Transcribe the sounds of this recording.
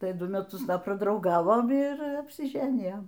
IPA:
ˈtɐɪ ˈdʊ mʲɛˈtʊs ˈdɐ prɐdrɐʊˈɡɑːʋoːm ɪr ɐpʲsʲɪˈʒʲæːnʲɪjoːm

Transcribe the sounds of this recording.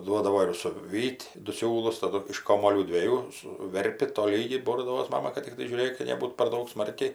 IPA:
ˈduɔdɐʋoː ɪr sʊˈʋʲiːtʲ dʊ ˈsʲuːlˠʊs tɐˈdʊ ɪʃ ˈkoːmuɔlʲuː dʲʋʲiɛˈjuː sʊˈʋʲɛrʲpʲɪ toːˈlʲiːɡʲɛɪ ˈboːrdɐʋoːs ˈmɑːmɐ kɐt tʲɪkˈtɐɪ ʒʲuːˈrʲeːk kɐ nʲɛˈbuːt pɐr ˈdɐʊk ˈsmɐrʲkʲɛɪ

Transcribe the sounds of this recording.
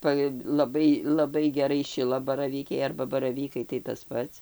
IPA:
ˈpɐ lˠɐˈbɐɪ lˠɐˈbɐɪ ɡʲɛˈrɐɪ ˈʃʲɪlˠɐbɐrɐʋʲiːkʲɛɪ ɐrbɐ bɐrɐˈʋʲiːkɐɪ tɐɪ tɐs ˈpɐts

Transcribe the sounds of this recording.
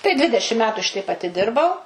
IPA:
tɐɪ ˈdʲʋʲɪdʲɛʃʲɪm ˈmʲæːtʊ ˈʃʲɪtʲɛɪp ɐtʲɪˈdʲɪrbɐʊ

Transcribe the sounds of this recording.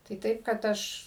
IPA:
tɐɪ ˈtɐɪp kɐt ˈɐʃ

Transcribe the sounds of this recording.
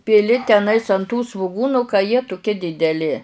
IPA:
pʲɪˈlʲɪ tʲɛˈnɐɪs ɐn tuː sʋʊˈɡuːnʊ kɐ jiɛ tʊˈkʲiɛ dʲɪdʲɛˈlʲɪ

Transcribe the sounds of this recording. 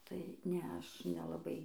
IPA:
tɐɪ ˈnʲɛɐ ˈɐʃ nʲɛlˠɐˈbɐɪ

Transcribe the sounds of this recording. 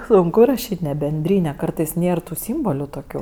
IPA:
sʊŋˈkʊ rɐˈʃʲiːtʲ nʲɛ bʲɛnʲˈdʲrʲiːnʲɛ ˈkɐrtɐɪs ˈnʲeːr tuː ˈsʲiːmboːlʲʊ toːˈkʲuː

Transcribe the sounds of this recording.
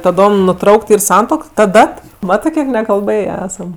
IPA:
tɐˈdoːm nʊˈtrɐʊkt ˈiːr ˈsɐntuɔk ˈtɐ ˈdɐt ˈmɑːtɜ ˈkʲiɛk nʲɛkɐlˠˈbɘjeː ˈæːsɐm

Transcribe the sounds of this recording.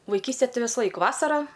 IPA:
ʋɐɪˈkʲiːsʲtʲeː ˈtɐɪ ʋʲɪsˈlˠɐɪk ˈʋɑːsɐrɑː

